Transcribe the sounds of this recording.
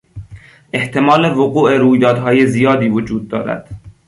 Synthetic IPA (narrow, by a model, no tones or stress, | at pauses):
ʔe̞ht̪ʰe̞mɒːlevoɣuːʔeɾuːjd̪ɒːd̪ɦɒːje̞zijɒːd̪iːvod͡ʒuːd̪̚ːɒːɾæ̰d̪̥